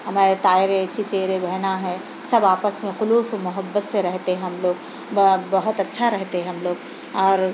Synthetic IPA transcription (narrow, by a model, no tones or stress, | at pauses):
ɦɐmaːɾet̪aːɪɾeɐt͡ʃʰit͡ʃeːɾebʱɛɦnaɦɛ̃ | sɐbaːpəsmẽxʊluːsomʊɦəbːət̪seɾɛɦt̪eɛ̃ɦɐmloːɡ | bbɐɦʊt̪ɐtːʃʰaɾɛɦt̪eɦɛ̃ɦɐmloːɡ | ɔːɾ